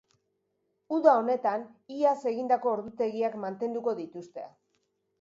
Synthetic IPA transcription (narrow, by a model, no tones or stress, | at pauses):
uðao̞ne̞t̪aniase̞ɣind̪ako̞ːɾðut̪e̞ɣiakmant̪e̞nd̪uko̞ðit̪ust̪e̞a